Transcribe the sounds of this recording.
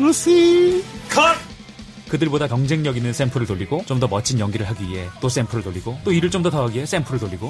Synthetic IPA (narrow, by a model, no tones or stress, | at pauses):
usikʰʌ | kɯdɯɭbodakjʌŋd͡ʑe̞ŋɲʌɡinɯns͈empʰɯɾɯɭtoʎːiɡot͡ɕomdʌmʌt͡ɕʰinjʌŋɡiɾɯɭɦaɡiiɦe̞t͈os͈e̞mpʰɯɾɯɭtoʎːiɡot͈oiɾɯɭt͡ɕomdʌtʌɦaɡiɦes͈empʰɯɾɯɭtoʎːiɡo